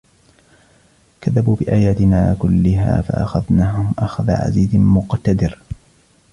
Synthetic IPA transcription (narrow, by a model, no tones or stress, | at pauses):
kaðːabuːbɪʔaːjaːt̪ɪnaːkʊlːɪɦa̰ːfa̰ʔaxaðnaːɦʊmʔaxaða̰ʕa̰ziːzɪmʊqt̪ad̪ɪɾ